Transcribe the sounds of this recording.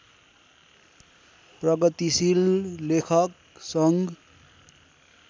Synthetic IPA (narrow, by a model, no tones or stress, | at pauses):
prʌɡʌt̪isillekʰʌk̚ | sʌŋɡ